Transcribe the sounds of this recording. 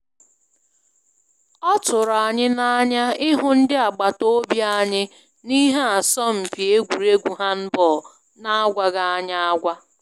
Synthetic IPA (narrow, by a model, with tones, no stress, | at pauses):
ɔ˦tʊ˨ɾa˨ɲɪ˦na˦a˦ɲa˦ɪ˦ɦʊ˦n̩˦dɪ˦a˨ɡ͡ba˨to˦bja˦ɲɪ˦ | ni˦ɦe˦a˨sɔ˦m̩˨fi˨e˦ɡʷu˨ɾe˦ɡʷu˨ɦa˦m̩˦bɔː˨ | na˦a˦ɡʷa˦ɡa˦a˦ɲa˦a˦ɡʷa˦